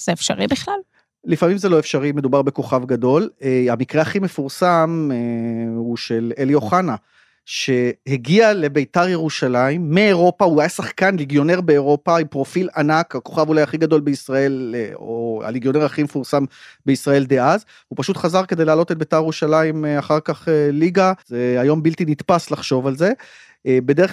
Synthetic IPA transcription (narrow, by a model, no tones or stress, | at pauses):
z̥eefʃaʁibiχlal | lifamimzeloefʃaʁime̞d̪ubaʁbe̞ko̞χavɡado̞lamikʁeaχime̞fuʁsam | uʃe̞lelijo̞χana | ʃe̞heɡiale̞bejtaʁjeʁuʃalaimːeeʁo̞pauajasaχkanliɡjo̞ne̞ʁbe̞ːʁo̞paimpʁo̞filanakako̞χavulajaχiɡado̞lbeisʁae̞loa̰liɡjo̞ne̞ʁaχimefuʁsambe̞isʁae̞ld̪eaz | upaʃutχazaʁkede̞jlaːlo̞t̪etbejt̪aʁjeʁuʃalaimeaχaʁkaχeliɡazeajo̞mbiltinitpaslaχʃo̞valze̞ | be̞d̪ee